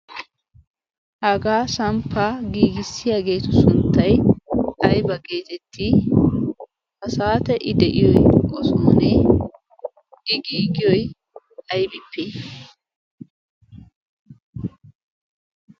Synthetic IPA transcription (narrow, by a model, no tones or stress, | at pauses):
hɐɡaːsɐmpːaɡiːɡɪsːɪjaːɡe̞ːt̪ʊsʊnt̪ːɐjʔɐjbɐɡe̞ːt̪ɛt̪ʰːi | hɐsaːt̪ɛʔɪd̪ɛʔɪjɔjkʼɔsoːni | ʔɪɡiːɡɪjɔj | ɐjbʼɪpːɪ